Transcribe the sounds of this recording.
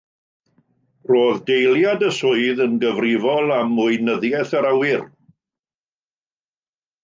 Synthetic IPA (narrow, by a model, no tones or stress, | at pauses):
roːðdejlˠjadəsʊɨðənɡəvrɪvɔlˠamʊɨnəðjɛθaɾawɪr